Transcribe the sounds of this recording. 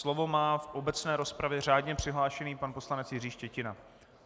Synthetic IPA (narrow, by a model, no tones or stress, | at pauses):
slo̞vo̞maːfʔo̞bɛt͡snɛːɾo̞spɾavjɛr̝aːdɲɛpr̥ɪɦlaːʃɛniːpanpo̞slanɛt͡sjɪriːʃcɛcɪna